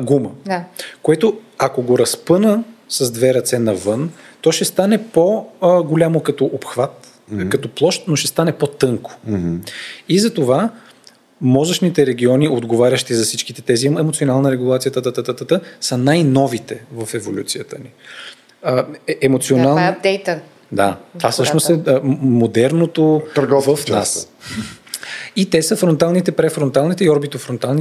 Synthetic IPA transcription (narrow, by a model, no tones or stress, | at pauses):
ɡuməkoɛt̪o | ɐkoɡoɾɐspɤnəsəzd̪vɛɾɐt̪sɛnɐvɤnt̪ɔʃɛst̪anɛpoɡolʲamokɐt̪ɔʔopxvat̪ | kɐt̪ɔplˠɔʃt̪noʃɛst̪anɛpot̪ɤŋko̥ | izɐt̪ova | mɔzəʃnit̪ɛɾɛɡ̟ʲiɔniod̪ɡovaɾʲəʃt̪izɐfsit͡ʃkit̪ɛt̪ɛziɛmot̪sionalˠnəɾɛɡulˠat̪siət̪ət̪ət̪ət̪ət̪ət̪əsɐnajnɔvit̪ɛvəfɛvolʲṵt̪sijət̪əni | əɛmot̪sionalˠb̚d̪ɛjt̪ə | d̪at̪vasɤʃnost̪ɛmod̪ɛɾnot̪ot̪əɾɡɔvəfna̰s | it̪ɛsəfɾont̪alˠnit̪ɛpɾɛfɾont̪alˠnit̪ɛiɔɾbit̪ofɾont̪alˠni